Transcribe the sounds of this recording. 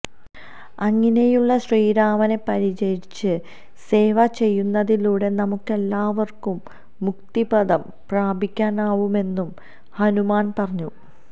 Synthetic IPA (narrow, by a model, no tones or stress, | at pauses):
ɐŋːɐne̞juɭːɐɕriːɾaːmɐne̞pɐɾid͡ʑejit͡ɕːɨ | se̞ːʋɐt͡ɕe̞jːunːɐðiluːɽe̞nɐmukːɨe̞lːaːʋɐrkumː | ukt̪ibɐðɐm | praːbʱikʲːaːnaːʋume̞nːum | hɐnumaːnpɐrɐɲːu